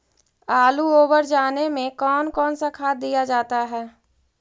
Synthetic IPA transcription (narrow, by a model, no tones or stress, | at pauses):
aːluoːbəɾd͡ʒaːnemẽkɔːnkɔːnsakʰaːt̪̚d̪ijad͡ʒaːt̪aɦɛː